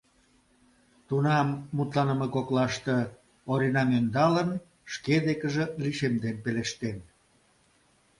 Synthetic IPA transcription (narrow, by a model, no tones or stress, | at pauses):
t̪unɑmːut̪lɑnəmekoklɑʃt̪ɤ | oɾinɑmønd̪ɑlən | ʃked̪ekəʒĕliʃemd̪enpeleʃt̪en